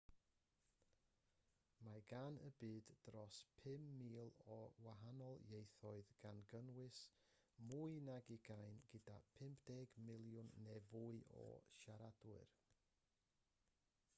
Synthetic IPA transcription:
maɡanə̰bɨːddrɔspʰɪmːiːlˠɔwaɦanɔlˠjejθɔɨðɡ̥anɡənwɪs | muɨnaɡɪɡajnɡ̥ɪdapʰɪmpʰd̥ɛːɡmɪlˠjʊnːɛvuɨɔ̰ʃaɾadwɪɨ̰r

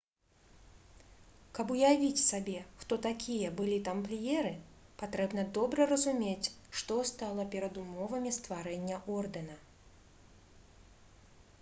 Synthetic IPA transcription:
kɐpujavʲit͡sʲsabʲɛʂt̪ɔt̪akʲijɐbɨlʲit̪amplʲijɛɾɨpat̪ɾɛbnɐd̪ɔbɾɐɾɐzumʲet͡sʲʂt̪ɔst̪alˠɐpʲɛɾɐd̪umɔvɐmʲist̪vaɾɛnʲːɐʔɔrd̪ɛnɐ

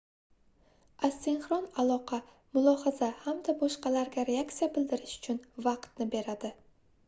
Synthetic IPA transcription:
ast̪ʰenχɾɒnalˠɒqʰɑ | mʊlˠɒhazahamd̪abɒʃqɑlaɾɡʲaɾe̞ak̚t̪sijabɪld̪ɪɾɪʃʊ̥t͡ʃʰʊnvɑqt̪nɪbe̞ɾad̪ɪ

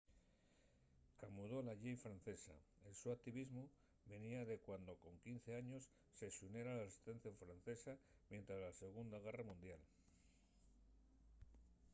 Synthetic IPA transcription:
kamuðo̞laʝejfɾan̟θe̞sa̰ | elsuak̚t̪iβizmu | βe̞niaðe̞kwand̪o̞ko̞ŋkin̟θe̞aɲo̞sːe̞sune̞ɾalasi̥st̪e̞nθjoɱfɾan̟θe̞samje̞nt̪ɾazlase̞ɣ̞und̪aɣ̞e̞ramũnd̪jal

